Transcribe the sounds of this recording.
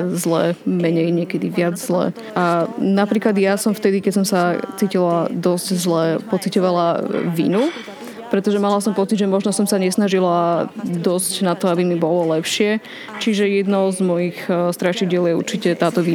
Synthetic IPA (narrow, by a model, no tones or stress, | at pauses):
zlɛːmɛɲɛjɲɛkɛd̪iʋɪad͡zzlɛ̰ː | ʔanapɾiːklad̪ɪjasɔmft̪ɛd̪ikɛcsɔmsat͡siːcilad̪ɔsczlɛpɔt͡sicɔʋalaʋḭnu | pɾɛt̪ɔʒɛmalasɔmpɔt͡sidʒɛmɔʒnɔsɔmsaɲɛsnaʒilad̪ɔscnat̪ɔabimibɔlɔlɛpʃɪɛ | t͡ʃiʒɛjɛd̪nɔʊzmɔjixst̪ɾaʃiɟɪɛljɛṵɾt͡ʃicɛt̪aːt̪ɔʋi